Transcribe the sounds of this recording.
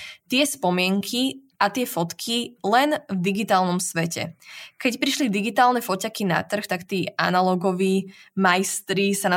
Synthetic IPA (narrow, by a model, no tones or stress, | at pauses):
t̪ɪɛspɔmɪɛŋkʰiʔat̪ɪɛfɔt̪kʰilɛnvd̪iɡit̪aːlnɔmsʋɛcɛ̰kɛcpɾiʃlid̪iɡit̪aːlnɛfɔcakina̰t̪r̩xt̪akt̪iːʔa̰nalɔɡɔʋiːmajst̪ɾisana